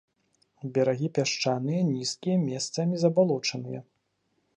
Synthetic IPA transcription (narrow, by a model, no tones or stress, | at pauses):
bʲɛɾaɣʲipʲaʂt͡ʂanɨjɐnʲiskʲijɐmʲɛst̪sɐmʲizɐbalˠɔt͡ʂɐnɨjɛ̰